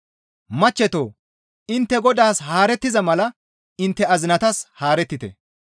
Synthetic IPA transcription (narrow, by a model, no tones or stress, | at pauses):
mɐt͡ʃːɛt̪o̰ː | ɪnt̪ːɛɡɔd̪aːshaːɾɛt̪ːɪzɐmɐlɐ | ɪnt̪ːɛɐzɪnɐt̪ɐshaːɾɛt̪ːɪt̪ɛ̰